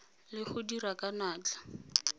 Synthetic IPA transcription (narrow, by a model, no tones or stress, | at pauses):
lɪχʊdirakanaːt͡ɬḁ